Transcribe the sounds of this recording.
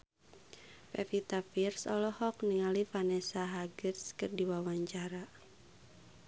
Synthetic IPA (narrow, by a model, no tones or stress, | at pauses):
pɛfit̪afirsɔ̰lɔhɔk̚niŋalifanɛsaɦaɡɨrskɨrdiwawaɲt͡ʃaɾa